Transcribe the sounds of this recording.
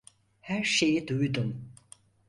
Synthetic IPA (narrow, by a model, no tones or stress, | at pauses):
hæɾʃe̞jid̪ujd̪um